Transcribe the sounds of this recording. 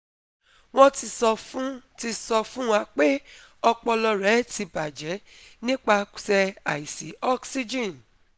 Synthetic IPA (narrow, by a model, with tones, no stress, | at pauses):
w̃ɔ̃˦ti˧sɔ˧fũ˦ti˧sɔ˧fũ˦wa˧k͡pe˦ | ɔ˧k͡pɔ˧lɔ˧ɾɛ˨˦ti˧ba˨d͡ʒɛ˨˦ | nĩ˦k͡pa˧˨sɛ˧a˨i˨si˨˦ɔ˦ksi˦d͡ʒĩ˦˨n